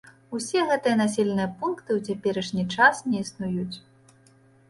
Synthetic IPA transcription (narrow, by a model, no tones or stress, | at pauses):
usʲɛɣɛt̪ɨjɐnasʲɛlʲɛnɨjɐpunkt̪ɨwt͡sʲapʲɛɾɐʂnʲit͡ʂasnʲɛisnujut͡sʲ